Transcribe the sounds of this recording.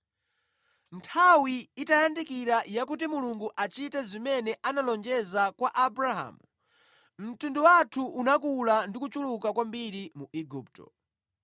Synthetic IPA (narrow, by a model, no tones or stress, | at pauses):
ntʰawiːtajandikiɾajakut̬imuluŋɡuʔat͡ʃitɛzimɛnɛʔanalɔnd͡ʒɛzakwaʔabɾaɦa̰ːmu | m̩tunduwatʰuʔunakulandikut͡ʃulukakwambiɾimuʔiɡuːp̚tɔ̰